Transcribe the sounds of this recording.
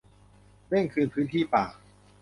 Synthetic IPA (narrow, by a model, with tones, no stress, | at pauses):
ɾe˥˩ŋkʰɯː˧npʰɯː˦˥nt̪ʰiː˥˩paː˨˩k̚